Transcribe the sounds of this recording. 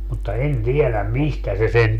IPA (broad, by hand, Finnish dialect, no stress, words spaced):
mutːɑ en tielæm mistæ se sen